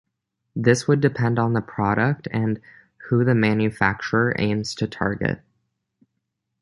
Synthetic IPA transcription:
ðɪswədɨpʰɛ̃ndn̩ðəpʰɹ̥ɑɾək̚tʰɨ̃n | huðɨmæ̃njɨfæk̚t͡ʃə˞ə˞ʔḛ̃ɪ̃mz̥tʰɨtʰɑ̰ɹɡɨ̰t̚

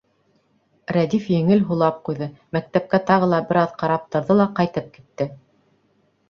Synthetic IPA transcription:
ɾæd̪ifjɘ̆ŋɘlɦulˠɑp̚qujðɤmæk̚t̪æp̚kæt̪ɑʁɤlˠɑbɘ̆ɾɑðqɑɾɑp̚t̪ɤ̆ɾðɤlˠɑqɑjt̪ɤp̚ki̥t̪ːɘ

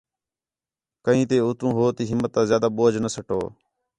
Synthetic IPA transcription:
kəĩːt̪eːʊt̪ɾũːɦoːt̪iːɦɪmːət̪ːãːzjaːd̪aːɓoːd͡ʒnəsəʈo̰ː

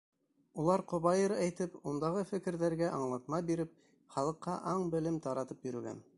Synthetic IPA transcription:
ulˠɑɾqŏβɑjɤɾæjt̪ɘpund̪ɑʁɤfɘ̆kɘ̆ɾðæɾɡæʔɑɴlˠɑt̪̚mɑbiɾɘp̚ | χɑlˠɤ̆qːɑʔɑɴbɘ̆lɘmt̪ɑɾɑt̪ɤpjɵ̆ɾɵ̆ɡæ̰n

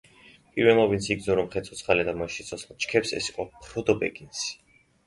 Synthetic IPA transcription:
pʼiɾwɛɔvint̪sʰiɡzɔɾɔmχɛt̪sʰɔt̪sʰχalɛd̪amaʃit̪sʰɔsχlt͡ʃkʰɛpsɛ̰siqʼɔpʰɾɔd̪ɔbɛɡʼins

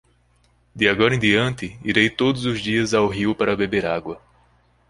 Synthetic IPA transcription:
d̪ɪaɡɔɾɐẽd̪iɐ̃nt̪ɪiɾejt̪od̪ʊzʊzd͡ʒiɐzawɦiʊpaɾɐbebeɾaɡwɐ

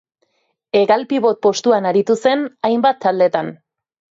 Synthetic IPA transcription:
e̞ɣalpiβo̞t̪̚po̞st̪uanaɾit̪use̞najmbat̪ʰːald̪e̞t̪an

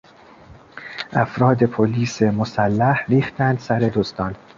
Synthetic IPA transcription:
ʔæfɾɒːd̪e̞pʰoliːsemosælːæhɾiːxt̪ʰænd̪sæɾe̞d̪ost̪ɒːn

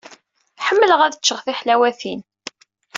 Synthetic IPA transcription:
ħəmːələʁæðət͡ʃːəʁθiħlæwæθin

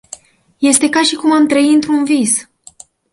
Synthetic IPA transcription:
je̞st̪e̞kaʃikumamt̪ɾəiɨnt̪ɾunvis

